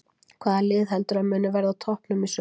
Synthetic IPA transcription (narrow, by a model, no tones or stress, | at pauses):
kʰvaːðalɪːðɦɛlt̪ʏɾaðmɛnːɪvɛɾðat̪ʰɔhpnʏmis